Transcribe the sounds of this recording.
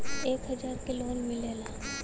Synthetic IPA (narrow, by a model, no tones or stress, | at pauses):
eːkɦɐd͡ʒaːɾkeloːnmɪlelaː